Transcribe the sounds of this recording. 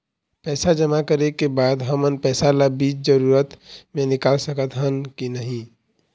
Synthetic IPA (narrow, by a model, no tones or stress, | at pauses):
pɛːsad͡ʒəmakəɾekebaːd̪ɦəmənpɛːsalabiːt͡ʃd͡ʒəɾuːɾət̪mẽnɪkaːlsəkət̪ɦənkinəɦĩ